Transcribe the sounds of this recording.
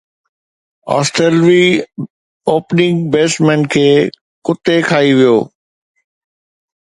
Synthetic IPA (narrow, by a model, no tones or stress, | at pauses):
ɔ̰ːsʈeːlʋi | oːpnɪ̃ŋɡbeːsmɛ̃ːnkʰeː | kʊt̪ekʰaːiʋijoː